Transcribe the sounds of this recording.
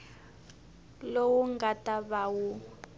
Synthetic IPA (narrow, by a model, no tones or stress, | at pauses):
lowuŋɡatʼaβawu